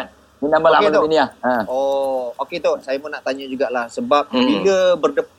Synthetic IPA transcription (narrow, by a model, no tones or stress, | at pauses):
minabalak̪oiniahə̃ooket̪osajəmənaʔt̪aɲad͡ʒuɡaʔlahsəbap̚biləbərdəp